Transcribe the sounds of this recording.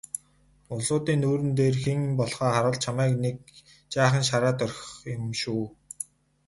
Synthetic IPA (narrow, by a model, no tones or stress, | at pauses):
ʊɮʊːt̪iːnːuːɾɘ̆nt̪eːrxeŋpɔɮχɔːχaɾə̆ɮt͡ɕʰamæːknek̚ | t͡ɕaːχə̆nʃ̬aɾaːt̪œrxʊmʃuː